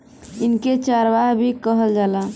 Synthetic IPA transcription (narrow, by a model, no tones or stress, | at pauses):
inket͡ʃaɾʋaɦbʱikəɦəld͡ʒala